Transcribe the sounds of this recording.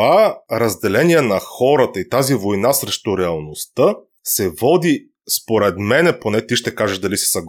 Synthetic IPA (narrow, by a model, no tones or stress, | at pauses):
aɾɐzd̪ɛlɛniɛnɐxɔɾət̪əit̪azivojnasɾɛʃt̪oɾɛɐlˠnost̪ɤ | sɛvɔd̪i | spoɾɛt̪mɛnɛponɛt̪iʃt̪ɛkaʒɛʒd̪ɐlisi̥sɐɡ